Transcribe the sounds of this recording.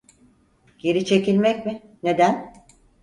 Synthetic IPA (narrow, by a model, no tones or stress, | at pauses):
ɟ̥e̞ɾit͡ʃʰe̞cilʲmɛc̚mɪne̞d̪æn